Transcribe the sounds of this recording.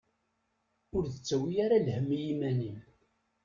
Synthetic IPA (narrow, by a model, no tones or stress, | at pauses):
ʊɾðət͡sːæwijaɾalhəmːijimænim